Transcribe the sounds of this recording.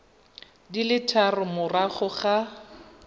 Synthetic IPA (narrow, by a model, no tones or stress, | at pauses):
dilɪtʰarʊmʊraχʊχa